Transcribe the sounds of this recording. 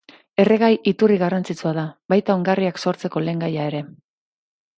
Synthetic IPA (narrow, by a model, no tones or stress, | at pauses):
e̞re̞ɣ̞ajit̪uriɣarant͡sit͡suað̞aβajt̪ao̞ŋɡariakso̞ɾt͡se̞ko̞le̞ːŋɡajae̞ɾe̞